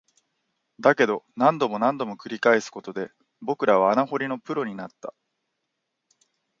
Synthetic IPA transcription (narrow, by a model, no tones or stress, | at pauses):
d̪ake̞d̪o̞nãnd̪o̞mo̞nãnd̪o̞mo̞kɯ̟ɾʲikaesɨ̥ko̞t̪o̞d̪e̞ | bo̞kɯ̟ɾaβ̞aːnaɦo̞ɾʲino̞pɯ̟ɾo̞ɲ̟inat̪ːa